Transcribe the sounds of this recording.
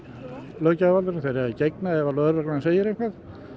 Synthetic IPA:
lœːcavalʏɾɪnθejɾɛicejknaɛvalœɾvɛknaanseːjɪɾejhŋkvaθ

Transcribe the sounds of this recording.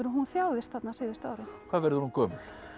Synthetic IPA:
ʏɾɦunθjaːwðɪst̪θat̪nasɪːðɪst̪aɾɪkʰvaːvɛɾðʏɾhunkʰɔːmʏn

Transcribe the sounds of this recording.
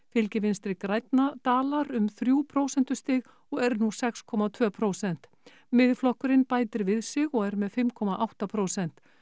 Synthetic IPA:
fɪlcɪvɪnst̪ɾɪkɾajt̪nat̪aːlaɾʏmθɾjuːpʰɾoːwsɛnt̪ʏ̥st̪ɪːɣ | ɔɣɛɾnusɛkskʰɔːmat̪ʰvœːpʰɾoːwsɛn̥t̪ | mɪðflɔhkʏɾɪnpaːjt̪ɪɾvɪðsɪɣɔɣɛɾmɛðfɪmkʰɔmaʔawht̪apʰɾowsɛn̥t̪

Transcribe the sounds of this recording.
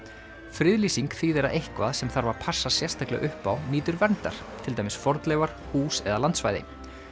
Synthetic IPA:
fɾʏðliːsiŋkθiːðɛɾaʔejhkva̰ðsɛmθaɾvaɾ̥pʰasːasjɛ̥st̪aklɛ̰ʔʏhpawniːt̪ʏɾvɛnt̪a̰ɾ̥ | t̪ʰɪlt̪ajmɪsfɔɾt̪lɛːvaɾ̥huːsɛðalant̪svaːjðɪ̰

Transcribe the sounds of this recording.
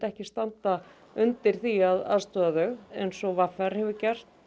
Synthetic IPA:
t̪ɛhcɪst̪ant̪a | ʏnt̪ɪɾ̥θiaða̰ðst̪œːðaðœɣejnsɔɣvafɛɾ̥hɛvʏcɛr̥t̪

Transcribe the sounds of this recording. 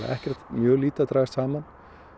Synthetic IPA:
a̰ʔɛhcɛr̥t̪mjœːɣliːt̪at̪ɾajɪst̪saːman

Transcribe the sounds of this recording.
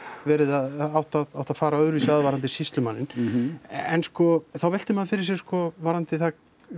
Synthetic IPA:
vɛːɾɪðaðawht̪aðawht̪aðfaːɾaœðɾvisaaðvaɾant̪ɪsist̪lʏmanːɪn | ɛnskɔθawvɛl̥t̪ɪmaðfɪɾɪ̥ɾsjɛskɔvaɾant̪ɪθa

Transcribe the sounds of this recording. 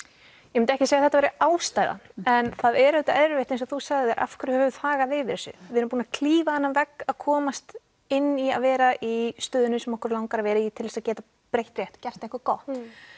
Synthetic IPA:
jmʏnt̪ɛhcɪsejaθɛht̪avɛɾɪaːwst̪aːjða̰nɛnθaðɛɾɛːt̪aɛɾvejht̪ejnsɔθusaɣððɛɾʔa̰fkɾʏɾhœvɛvʏð̥faːɣavɪvɪɾɛsʏ̰vɪðʏɾʏmpuːnakʰliːvahanːamvɛkaðkʰɔːmast̪ | ɪnːiaðvɛːɾaʔist̪œːðʏnʏsɛmɔhkʏɾlawŋkaɾavɛːɾait̪ʰɪlvɛsaðcɛːt̪a | pɾejht̪rjɛht̪cɛr̥t̪ẽŋkʏɾkɔht̪

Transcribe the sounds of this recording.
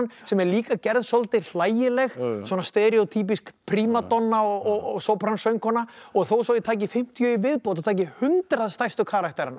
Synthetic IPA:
nsɛmɛɾliːkacɛɾðsɔlt̪ɪɾl̥aːjɪlɛɣswɔːnast̪ɛɾiɔt̪ʰiːp̬iskpʰɾiːmat̪ɔnːaɔɣɔɣɔɣsowpʰɾansœɥŋkʰɔnːaɔɣθowsowðɪt̪ʰaːcɪfɪm̥t̪ʰjœivɪðpowt̪̬at̪ʰaːc̬ɪhʏnt̪ɾaðst̪ajst̪ʏkʰaːɾaht̪ɛjɾan

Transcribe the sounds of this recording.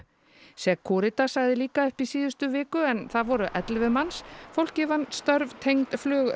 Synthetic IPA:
sɛkʰɔːɾɪt̪asaɣðɪliːkaœhpisiːðʏst̪ʏvɪːkʏɛnθaðvɔɾʏʔɛt̪lvɪmansfowl̥cɪvanst̪œɾvt̪ʰejŋt̪flœːɣ

